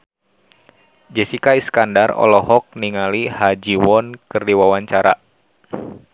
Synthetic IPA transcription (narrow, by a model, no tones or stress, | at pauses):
d͡ʒɛsikaiskandarɔ̰lɔhɔk̚niŋalihad͡ʒiwɔnkɨrdiwawaɲt͡ʃaɾa